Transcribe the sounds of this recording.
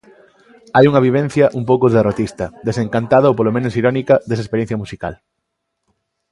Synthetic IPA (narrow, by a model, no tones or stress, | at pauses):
ajuŋɐβ̞iβ̞ẽn̟θjɐʔump̬owkoðerot̪ist̪ɐd̪esẽŋkant̪aðɐowpolomẽnʊsiɾɔnikɐd̪es̬ɐespeɾẽn̟θjɐmusika̰l